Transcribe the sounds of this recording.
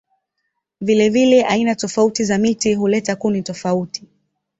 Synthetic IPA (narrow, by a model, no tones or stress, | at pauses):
vilɛvilɛʔainatɔfautizamitiɦulɛtakunitɔfauti̥